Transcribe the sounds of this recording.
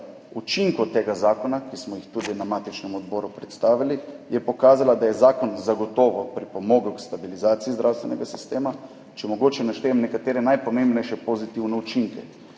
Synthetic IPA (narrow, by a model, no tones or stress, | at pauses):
ut͡ʃiŋkɔt̪eːɡazaːkɔnakismɔjixt̪ud̪inamaːt̪it͡ʃnɛmɔd̪bɔːɾupɾɛt̪st̪aːʋilijɛpɔkaːzalad̪ajɛzaːkɔnzaɡɔt̪ɔːʋɔpɾipɔmɔːɡukst̪abilizaːt̪siizd̪ɾawst̪ʋɛnɛɡasi̥st̪eːma | t͡ʃɛmɔɡoːt͡ʃɛnaʃt̪eːɛmnɛkat̪eːɾɛnajpomẽmbnɛjʃɛpozit̪iwnɛut͡ʃiŋkɛ